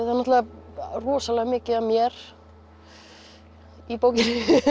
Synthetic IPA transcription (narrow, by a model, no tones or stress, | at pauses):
anɔt̪lɛarɔːsalɛɣmɪːcɪamjɛɾ̥ | ipowcɪn